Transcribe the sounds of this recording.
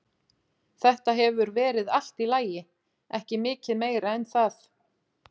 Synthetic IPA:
θɛht̪aɦɛvʏɾvɛːɾɪðal̥t̪ilaːjɪ | ʔɛhcɪmɪːcɪðmeːjɾaɛnθaθ

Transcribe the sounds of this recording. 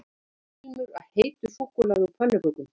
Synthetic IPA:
iːmʏɾa̰ðhejt̪ʏfukʊlaðʏpʰœnːʏpœwkʏm

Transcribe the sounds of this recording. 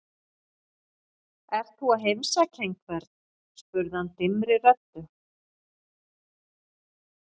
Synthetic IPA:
ɛr̥t̪θuaðɦejmsacʰejŋkʰvɛɾt̪n | spʏɾðɪhant̪ɪmɾɪrɛt̪ːʏ

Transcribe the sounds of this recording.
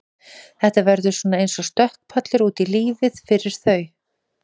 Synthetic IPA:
θɛht̪avɛɾðʏ̥sɔːnaejnsɔst̪œhk̚pʰat̪lɪɾuːt̪iliːvɪðfɪɾɪɾ̥θœɥ

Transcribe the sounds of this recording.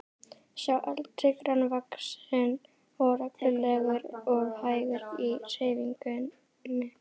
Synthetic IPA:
sjawʔalt̪ɾɪkɾanvakshɪn | hɔɾak̪ʏlɛɣʏɾɔɣhaːjɣʏɾiseːjviŋkʏn | mɪ

